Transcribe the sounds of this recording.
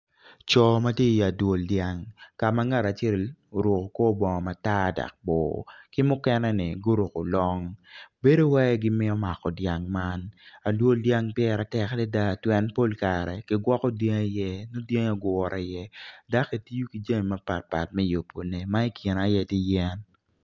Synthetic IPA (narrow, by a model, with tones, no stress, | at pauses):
t͡ʃɔ˦ma˦tje˦˨ja˨dwo˨ldja˨ŋka˨ma˦ŋa˦˨ɾa˨t͡ʃe˦˨lo˨ɾʊ˨ko˨ko˦bɔ˨ŋɔ˨ma˨ta˦da̰˨k̚bɔ̰˨kɪ˦mʊ˦kɛ˦nɛ˦nɪ˨ɡo˦ɾʊ˨ko˨lɔ˦ŋbe˦do˦wɛ˦ɡɪ˦mɪ˦ɔ˦ma˨kɔ˨dja˨ŋma˦na˨dwo˦ldja˦ŋpjɛ˦ɾa˨tɛ˦klɛ˦da˦˨twɛ˦npo˦lka˨ɾɛ̰˨ki˦ɡwɔ˦kɔ˦de˦ŋa˦jɛ˦no˦dje˦ŋa˨ɡɔ˨ɾʔa˨jɛ˦da˦ke˨ti˦ju˦ki˦d͡ʒa˦ŋi˨ma˦pa̰˨t̚pa̰˨t̚mɛ˦jo˨pːo˨ne˨ma˦i˦kʰɪ˨na˨jɛ˦˨ti˦jɛ˦n